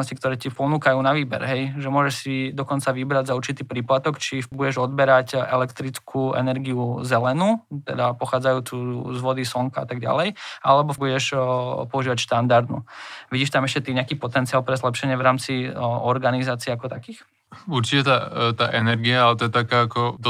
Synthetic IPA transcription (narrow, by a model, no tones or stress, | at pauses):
nɔscikt̪ɔɾɛːcipɔnuːkajuːnaʋiːbɛɾɦɛjʒɛmʊɔʒɛʃsid̪ɔkɔnt͡saʋibɾaɟzauɾt͡ʃit̪iːpɾiːplat̪ɔkt͡ʃibuɟɛʒɔd̪bɛɾacɛlɛkt̪ɾit͡skʰuɛ̰nɛɾɡiuzɛlɛnuːt̪ɛ̰d̪apɔxaːd͡zajuːt͡suzʋɔd̪isɔŋkaa̰t̪aɡɟa̰lɛjʔalɛbɔbuɟɛʃpɔuʒiːʋacʃt̪and̪aɾd̪nṵʋiɟiːʃt̪amɛʃcɛt̪iɲɛakiːpɔt̪ɛntt͡siaːlˠpɾɛzlɛpʃɛɲɪɛʋɾaːmt͡siɔɾɡanizaːt͡siɛakɔt̪akiːx | uɾt͡ʃicɛt̪at̪aːʔɛnɛɾɡiaalɛt̪ɔjɛt̪akaːkɔd̪